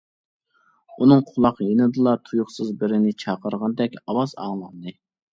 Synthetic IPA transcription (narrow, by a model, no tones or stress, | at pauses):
unɨŋqʰʊlˠɑqjenɨd̪ɨlˠɑt̪ʰujʊχsɨzbɪɾɪnɪt͡ʃʰɑqəɾʁɑnd̪ɛkʲɑwɑzɑ̰ŋlˠɑnd̪ɨ